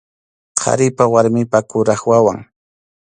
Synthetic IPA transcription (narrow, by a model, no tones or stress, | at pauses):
qʰɑ̰ɾɪpawaɾmɪpakʊɾaχwawaŋ